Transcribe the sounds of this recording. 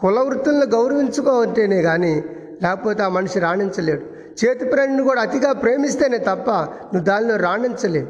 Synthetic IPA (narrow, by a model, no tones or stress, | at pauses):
kulɐʋɾut̪ːunɐloɡɐwɾɐʋiɲt͡ʃukoːɐɳʈeːneːɡaːni | lɛːkɐpoːt̪eaːmɐnɐʂiɾaːɳint͡ʃɐle̞ːɽu | t͡ʃeːt̪ipɾeːnɐnikuːɽaːt̪iɡaːpɾe̞ːmist̪eːneːt̪ɐpːɐ | nuʋd̪aːniloːɾaːɳint͡ʃɐle̞ːɽu